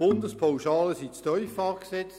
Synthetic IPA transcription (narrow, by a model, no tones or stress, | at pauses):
b̥ʊndəspʰawʃɑːləsit͡stœʏfɑːʁksɛt͡s